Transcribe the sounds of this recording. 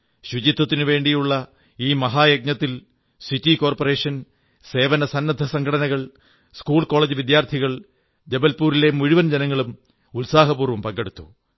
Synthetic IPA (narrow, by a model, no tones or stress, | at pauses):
ɕud͡ʑit̪ːɐt̪ːinɨʋe̞ːɳɖijuɭːɐ | iːmɐɦaːjɐk̚ɲɐt̪ːil | sitːiko̞ːrpore̞ːʂɐn | se̞ːʋɐnɐsɐnːɐd̪ʱɐsɐŋɡʰɐɽɐnɐɣɐɭ | skuːɭkoːɭeːd͡ʑɨʋid̪jaːrt̪ʰiɣɐɭ | d͡ʑebɐlpuːɾile̞muɻiʋɐnd͡ʑenɐŋːɐɭum | ulsaːɦɐpuːrʋɐmpɐŋɡeɽut̪ːu̥